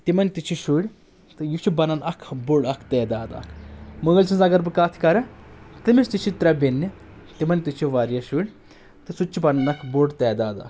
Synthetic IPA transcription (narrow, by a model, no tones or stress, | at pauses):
t̪imɐnʲt̪it͡ʃʰiʃuːɽʲ | t̪ɨjut͡ʃʰibɐnɐnɐkʰboɖɐkʰt̪ɛːd̪aːd̪a̰ːkʰmɨɣɐlʲt͡ʃʰinzɐɡɐɾbɨkaːt̪ʰi̥kɐɾɐt̪ɨmist̪it͡ʃʰit̪ɾɐbenːi | t̪imɐnʲt̪it͡ʃʰiʋaɾjɐʃuɽʲ | t̪ɨsut͡ʃːibɐnɐnɐkʰboɽt̪ɛːd̪aːd̪a̰ːkʰ